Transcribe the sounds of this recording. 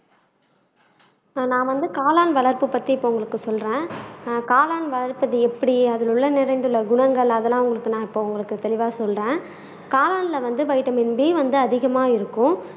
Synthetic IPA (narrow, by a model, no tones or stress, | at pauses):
nãːʋɐnd̪ɯkaːlaːnʋɐɭɐɾpɯpɐt̪ːiɪpːoːʊŋɡɐɭɯkːɯsɔlrẽːkaːlaːnʋɐlɐɾpɯðɐɛpːɐɽiɐðɪlɯɭːɐnɪɾɐɪnd̪ɯɭːɐɡʊɳɐŋɡɐɭɐðɛlːãːʊŋɡɐɭɯkːɯnãːɪpːoːʊŋɡɐɭɯkːɯt̪ɛlɪʋaːsɔlrẽː | kaːlaːnlɐʋɐnd̪ɯʋɐɪʈːɐmɪnbeːʋɐnd̪ɯɐðɪɣɐmaːɪɾɯkːʊ̃